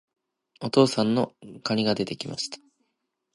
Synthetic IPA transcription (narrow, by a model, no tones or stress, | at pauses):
o̞t̪o̞ːsãnːo̞kaɲ̟iɡad̪e̞t̪e̞kʲima̰ɕi̥t̪ḁ